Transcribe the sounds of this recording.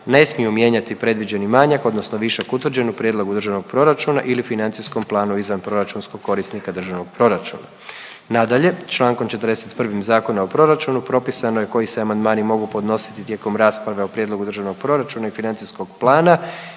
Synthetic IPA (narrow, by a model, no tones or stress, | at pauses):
ne̞smijumje̞ːɲat̪ipɾe̞d̪ʋid͡ʑe̞nimaɲako̞d̪no̞snoʋiʃakut̪ʋr̩d͡ʑe̞nupɾjed̪lo̞ɡud̪ɾrʒaʋno̞ɡ̚pɾo̞ɾat͡ʃuna̰ʔilifinant̪sisko̞mplˠaːnuizʋanpɾo̞ɾat͡ʃunsko̞ɡ̚ko̞ɾisnikad̪ɾr̩ʒaʋno̞ɡ̚pɾo̞ɾat͡ʃṵna̰ | nad̪aʎe̞t͡ʃlˠaːŋko̞mt͡ʃet̪əɾd̪eset̪pr̩ʋimzaːko̞naopɾo̞ɾat͡ʃunupɾo̞pisanojeko̞jiseamand̪maːnimo̞ɡupo̞d̪no̞si̥t̪it̪je̞ko̞mɾaːspɾaʋe̞opɾje̞d̪lˠo̞ɡud̪r̩ʒaʋno̞ɡ̥̚pɾo̞ɾat͡ʃunaifinant̪sisko̞ɡplˠaːna